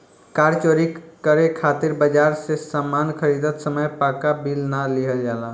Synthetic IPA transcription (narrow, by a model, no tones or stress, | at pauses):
kaɾt͡ʃoɾikəɾekʰat̪iɾbəd͡ʒaɾsesamankʰəɾid̪ət̪səməjpakabilnaliɦəld͡ʒala